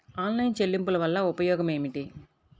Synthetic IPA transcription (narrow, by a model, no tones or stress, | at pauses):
aːnlɐjnt͡ʃe̞lːimpulɐʋɐlːɐupɐjɔːɡɐme̞ːmiʈi